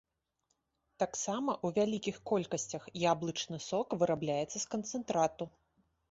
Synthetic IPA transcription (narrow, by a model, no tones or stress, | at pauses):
t̪aksamɐʔuvʲalʲikʲixkɔlʲkɐsʲt͡sʲɐxjablˠɨt͡ʂnɨsɔkvɨɾablʲajɛt̪sːɐskɐnt̪sɛnt̪ɾat̪u